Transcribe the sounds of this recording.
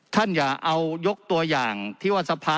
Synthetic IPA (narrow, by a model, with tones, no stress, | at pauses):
t̪ʰa˥˩njaː˨˩ʔa˧wjo˦˥k̚t̪u˧ɐjaː˨˩ŋt̪ʰiː˥˩waː˥˩sa˧pʰaː˧